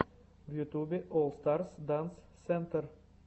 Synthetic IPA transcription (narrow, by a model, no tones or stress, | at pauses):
vjʉt̪ubɪʔɔlst̪aɾsd̪ansːɛnt̪əɾ